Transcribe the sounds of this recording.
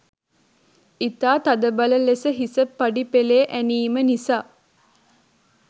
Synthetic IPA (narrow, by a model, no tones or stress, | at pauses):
it̪aːt̪ad̪əbaləlesəɦisəpːaɖipeleːʔæniːmənisaː